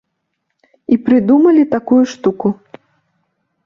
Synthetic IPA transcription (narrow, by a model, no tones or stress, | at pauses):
ipɾɨd̪umɐlʲit̪akujuʂt̪uku